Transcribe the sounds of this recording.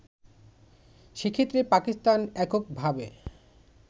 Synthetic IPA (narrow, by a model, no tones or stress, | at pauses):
ʃekʰet̪ːɾepakist̪anɛkok̚bʱabe